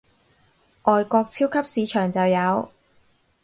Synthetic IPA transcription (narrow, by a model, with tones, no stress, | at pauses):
ʔɔː˨jkɔː˧k̚t͡sʰiː˥wkʰɐ˥p̚siː˨˧t͡ʃʰœː˨˩ŋt͡sɐ˨wjɐ˨˧w